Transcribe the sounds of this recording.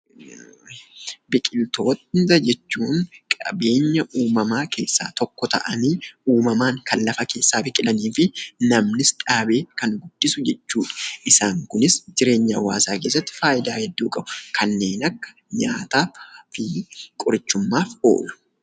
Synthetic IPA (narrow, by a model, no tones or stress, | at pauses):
bɪkʼɪlt̪o̞ːt̪nt̪ɐd͡ʒɛt͡ʃːuːnkʼɐ̰be̞ːɲːɐʔuːmɐmaːke̞̰ːsːa̰ːt̪ɔkːɔt̪ɐ̰ʔɐniːuːmɐmaːŋkʰɐlːɐfɐke̞ːsːaːbɪkʼɪlɐniːfɪnɐmnɪsᶑaːbe̞ːkɐnɡʊd̪̥ːɪsʊd͡ʒɛt͡ʃːuːᶑɐ̥ʔɪsaːŋkʊnɪsd͡ʒɪɾe̞ːɲːawa̰ːsaːkeːs̬ːɐt̪ːɪ̥faːʔɪd̪aːhɛd̪ːuːkʼɐb̥ʊkʰɐnːe̞ːnɐkːɐ̥ | ɲa̰ːt̪aːfɪkʼʊɾɪt͡ʃːʊmːaːfo̞ːlʊ̥